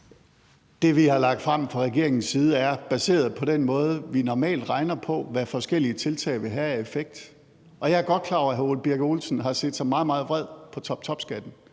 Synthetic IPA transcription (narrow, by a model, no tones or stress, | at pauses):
d̥e̝ʋihɑ̈lɑ̈ɡ̥̚d̥fʁɑm̰fʁɑ̈ʁɛɡ̥e̝ɐ̰e̝ŋn̩siːð̞ˠəæɐb̥æse̝̰ːɐð̞̩ˠpʰɒ̽d̥en̰mɔ̽ːð̞ˠəʋinɒmɛ̰ːld̥ʁɑ̈ɪnɐpʰɒ̽ʋæfɒ̽sɡ̥el̰iət͡sʰe̝lt͡sʰɛ̰ɪʋe̝ɦææefeɡ̥̚d̥ | ʔɒ̽jɑ̈æɐɡ̥ɒ̽d̥̚kʰlɑ̰̈ɦæolb̥iɐɡ̥o̝ːlsn̩ɦɑ̈se̝̰ːd̥sɑ̈ɪmɑ̈ːðˠmɑ̈ːð̞̩ˠʋ̥ʁɛð̞̰ˠpʰɒ̽t͡sʰɒ̥t͡sʰɒ̽b̥sɡ̥æd̥n̩